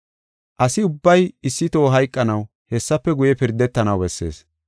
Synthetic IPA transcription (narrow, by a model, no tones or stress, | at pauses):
ʔɐsɪʊbːɐjɪsːɪt̪o̞ːɦɐjkʼːɐnɐw | hɛsːɐpːɛɡʊjɛpɪɾd̪ːɛt̪ːɐnɐwbɛsːe̞̰ːs